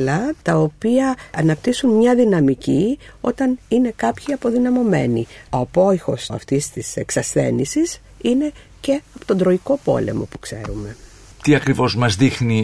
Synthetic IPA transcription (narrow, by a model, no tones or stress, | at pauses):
lɐt̪ɐopiɐːnɐpt̪isunmɲɐðinɐmicio̞̰t̪ɐnine̞kɐpçiɐpo̞ðinɐmo̞me̞̰nioɐpo̞ixo̞sɐ̰ft̪ist̪ise̞ksɐsθe̞̰nisis | ine̞ | ce̞ɐpot̪o̞nd̪ɾo̞iko̞po̞̰le̞̰mo̞̰pu̥kse̞̰ɾume̞ | t̪iɐkɾivo̞zmɐzðixni